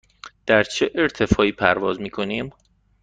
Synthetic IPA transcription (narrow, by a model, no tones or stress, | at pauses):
d̪̥æɾt͡ʃʰeʔeɾt̪ʰe̞fɒːiːpʰæɾvɒːzmiːkʰo̞niːm